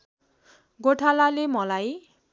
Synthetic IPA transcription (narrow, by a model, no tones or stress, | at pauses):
ɡoʈʰalalemʌlaj